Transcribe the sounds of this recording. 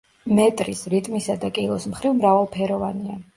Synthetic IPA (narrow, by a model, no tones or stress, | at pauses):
mɛt̪ʼɾisɾit̪ʼmisad̪akʼilˠɔsmχɾivmɾavalˠpʰɛɾɔvania